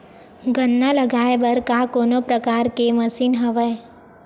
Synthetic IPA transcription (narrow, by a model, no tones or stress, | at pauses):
ɡənːaləɡaːeʋəɾkakoːnopɾəkaːɾkeməsiːnɦəʋəe